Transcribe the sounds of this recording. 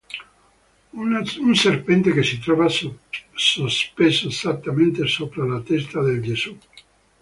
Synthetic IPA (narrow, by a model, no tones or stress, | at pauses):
unserpɛnt̪ekesit̪ɾɔva | sospesoezat̪ːament̪esopɾelat̪est̪ad̪eld͡ʒesu